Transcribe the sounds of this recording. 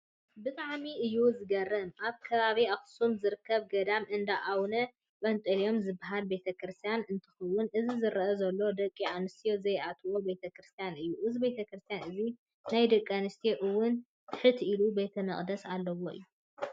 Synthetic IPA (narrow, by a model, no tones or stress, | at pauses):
bɨt̪ʼaʕmiʔɨjːuzɨɡɐrːɐmʔaβkʰɐβaβiaxsumzɨɾɨkʰːɐβɡɐd̪amʔɨnd̪aʔawnɐ | ʔʼɐnt̪ʼɨlijo̞mzɨbaɦalbe̞t̪ʰɐkɾɨst̪ʰijanɨnt̪ʰɨ̥xɐwːʊnʔɨzizɨɾɐʔɐzɐlːo̞d̪ɐkʼːianɨst̪ʰijozɐjʔat̪ʰwo̞be̞t̪ʰɐkɾɨst̪ʰijanɨjːuʔɨzibe̞t̪ʰɐkɾɨst̪ʰjanɨzi | najd̪ɐkʼianɨst̪ʰijoʔɨwːʊn | t̪ʰɨħɨt̪ʰilube̞t̪ʰɐmɨχʼd̪ɐsalːɐwo̞ɨ̰jːu